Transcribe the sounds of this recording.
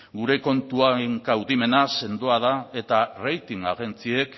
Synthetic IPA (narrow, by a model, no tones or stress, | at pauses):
ɡuɾe̞ko̞nt̪uaeŋkawðime̞nase̞nd̪oað̞ae̞t̪arejt̪iŋa̰ɣe̞nt͡sie̞k